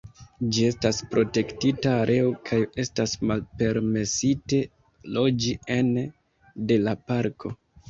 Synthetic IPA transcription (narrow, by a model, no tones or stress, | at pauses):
d͡ʒie̞staspɾo̞te̞ktitaːɾʔe̞okʰaje̞stasmalpe̞ɾme̞site̞ | lod͡ʒien | de̞lapaɾkʰo̞